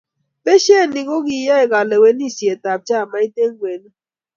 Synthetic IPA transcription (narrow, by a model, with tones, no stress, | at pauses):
pe˦ʃe˦˨ni˨ɡo˦ɡi˨ja˦ɛ˨ɡa˨le˨we˦ni˦˨sje˨ta˨p̚t͡ʃa˦˨ma˦i˦te˦ŋwe˨n˦